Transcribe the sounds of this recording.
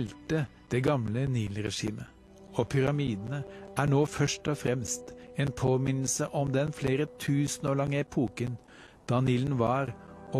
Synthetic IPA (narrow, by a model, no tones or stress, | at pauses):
lt̪ə | d̪̥ɛɡɑmləniːlɾɛʂḭːmə | oːpʰʏɾɑmiːd̪n̩əʔæːɳoːfœʂʈɔfɾɛmst̪eːnpʰoːmɪnl̩səʔɔmd̪ɛnfleːɾət̪ʰʉːsən̩ɔːɭɑŋːəɛpʰuːkən | d̪̥ɑːniːlnʋɑːɾɔ